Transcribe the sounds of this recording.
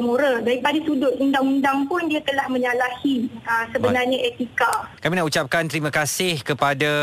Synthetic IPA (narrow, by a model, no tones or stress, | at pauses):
muɾədaɾipadat̪udʊt̪undaŋundaŋpʊndiat̪əlahmə̃ɲalahiəsəbənarɲaʔet̪ikakamĩnaʔut͡ʃap̚kant̪əɾimãkasɪhkəpada